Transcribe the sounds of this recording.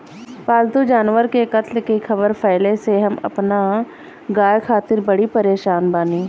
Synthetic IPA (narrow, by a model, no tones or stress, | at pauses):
paːlt̪ud͡ʒaːnʋəɾkekət̪lkixʰɐbəɾpʰɛːleseɦɐmɐ̰pna | ɡaːjkʰaːt̪ɪɾbɐɽipɐɾeːʃaːnbaːniː